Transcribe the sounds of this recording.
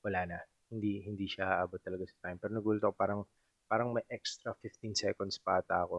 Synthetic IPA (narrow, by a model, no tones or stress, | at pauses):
wɐlaːnɐ | hɪnd̪ihɪnd̪iʃahaʔaːbot̪ːɐlɐɡasɐ̥t̪ajmpɛːɾonɐɡuːlɪt̪ɐkopaːɾɐŋ | paːɾɐŋmɐjʔɛkst̪ɾɐfɪft̪insɛkond̪spaːt̪aʔɐko